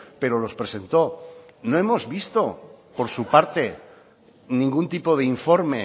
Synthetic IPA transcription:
pe̞ɾolo̞spɾe̞se̞nt̪o̞no̞emo̞zβist̪o̞po̞ɾsupaɾt̪e̞ | nĩŋɡunt̪ipo̞ð̞eiɱfo̞ɾme̞

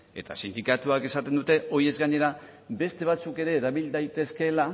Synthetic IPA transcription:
e̞t̪a̰sind̪ikat̪uake̞sat̪e̞nd̪ut̪e̞o̞ie̞zɡaɲe̞ɾa | be̞st̪e̞β̞at͡suke̞ɾe̞ːɾaβild̪ajt̪e̞ske̞la

